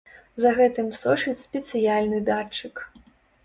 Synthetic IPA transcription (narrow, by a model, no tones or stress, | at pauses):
zɐɣɛt̪ɨmsɔʂɨt͡sʲsʲpʲɛt̪sɨjalʲnɨd̪at͡ʂːɨk